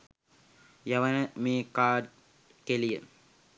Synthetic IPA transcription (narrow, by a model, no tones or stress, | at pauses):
jaʋənəmeːkaːɖ | kelijə